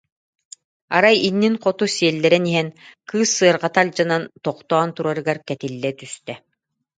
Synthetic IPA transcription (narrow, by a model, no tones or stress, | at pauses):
a̰ɾajinːinqɔt̪usiɛlːɛɾɛniɦɛnkɯːsːɯɐɾʁat̪alʲd͡ʑanant̪ɔqt̪ɔːnt̪uɾaɾɯɡaɾkɛt̪ilːɛt̪yst̪ɛ